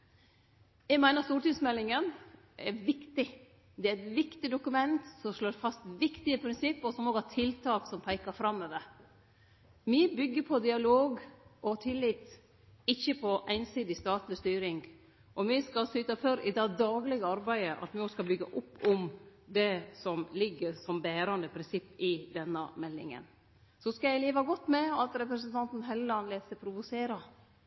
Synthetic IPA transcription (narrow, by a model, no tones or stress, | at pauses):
jɛɡmæɪnəst̪uːɾʈɪŋsmɛlːɪŋən | ʔɛɾʋɪkt̪ɪ | d̪ɛæɾɛt̪ʋɪkt̪ɪd̪ʊkʉmɛnt̪sɔmʂloːɾfɑst̪ʋɪkt̪ɪəpʰɾɪnsɪpːɔsɔmoːɡhɑʈʰɪlt̪ʰɑːksɔmpʰæɪkəɾfɾɑmːøːʋəɾ | mɪbʏɡːəpʰɔd̪ɪɑloːɡʔɔt̪ʰɪlːɪt̪ | ɪçːəpʰɔʔæɪnsiːd̪ɪst̪ɑːt̪lɪst̪yːɾɪŋɡ | ʔɔʋɪskɑsyːt̪ɑfœɾɪd̪ɛd̪ɑːɡlɪɡəɑɾbæɪəʔɑ̰t̪ʋɪɔskɑbʏɡːɑʔʊpːʊmd̪ɛsɔmlɪɡːəɾsɔmbæːɾɑnd̪əpʰɾɪnsɪpːɪd̪ɛnːɑmɛlːɪ̰ŋə̰n | sɔskɑjæɪleːʋɑɡɔt̪ːmɛɑt̪ɾɛpɾɛsənt̪ʰɑnt̪n̩ɦɛləɑnleːd̪sɛɪpʰɾʊʋʊseːɾɑ